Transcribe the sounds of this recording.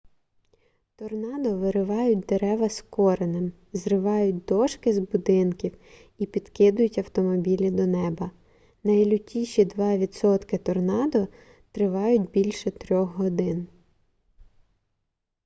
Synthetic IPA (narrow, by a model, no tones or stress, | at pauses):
t̪ɔrnɑd̪ɔʋɪɾɪʋɑjʊt̚ʲd̪eɾɛʋɐskɔɾenɪm | zrɪʋɑjʊt̚ʲd̪ɔʃkɪzbʊd̪ɪnkʲiw | ipʲid̪̥kɪd̪ʊjʊtʲɐwt̪ɔmɔbʲilʲid̪ɔnɛbɐ | nɐjlʲʊtʲiʃʲid̪ʋɑʋʲid̪sɔt̪kɪt̪ɔrnɑd̪ɔ | t̪ɾɪʋɑjʊtʲbʲilʲʃɛt̪ɾʲɔxɦɔd̪ɪn